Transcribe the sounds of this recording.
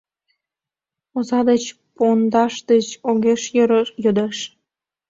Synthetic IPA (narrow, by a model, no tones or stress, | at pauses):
ozɑd̪et͡ɕ | pond̪ɑʃd̪et͡ɕoɣeʃjəɾjød̪eʃ